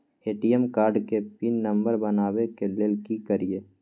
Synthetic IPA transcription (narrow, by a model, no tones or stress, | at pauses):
eːʈiɛmkaːɾɖkepinːɐ̃mbəɾbɐnaːwekeleːlkikəɾieː